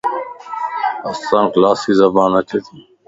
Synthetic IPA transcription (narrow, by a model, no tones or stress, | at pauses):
əsãːklaːsiːzəbaːnət͡ʃʰeːt̪ʰiː